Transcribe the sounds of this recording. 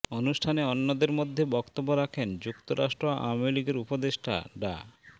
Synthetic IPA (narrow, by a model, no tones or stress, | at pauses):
onuʃʈʰaneɔnːod̪eɾmod̪ʱːebɔkt̪obːoɾakʰend͡ʑukt̪oɾʔa̰ʃʈɾoaʔa̰meliɡeɾupod̪eʃʈʰa̰ɖa̰